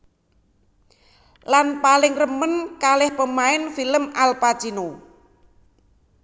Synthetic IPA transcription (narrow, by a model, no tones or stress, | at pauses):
lanpalɪŋrəmənkalɪhpəmaɪnfiləmalpat͡ʃino